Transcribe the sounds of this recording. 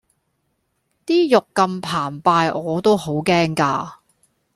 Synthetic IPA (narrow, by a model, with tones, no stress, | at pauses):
t̪iː˥jʊ˨kːɐ˧mpʰaː˨˩npaː˧jɔː˨˧t̪o˥who˨˥wkɛː˥ŋkaː˧